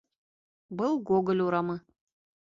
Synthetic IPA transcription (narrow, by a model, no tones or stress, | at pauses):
bɨlˠɡoɡə̆lʲuɾɑmɤ